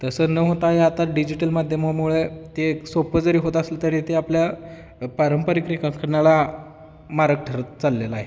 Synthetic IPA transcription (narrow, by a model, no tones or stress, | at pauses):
t̪əsənəɦot̪aɦeat̪aɖid͡ʑiʈəlmad̪ʱjəmamuɭet̪esopəd͡zəɾiːɦot̪əslət̪əɾet̪eaplja | pəɾəmpəɾikɾikãŋkʰəɽɳnala | maɾək̚ʈʰəɾət̪t͡salːelaːɦe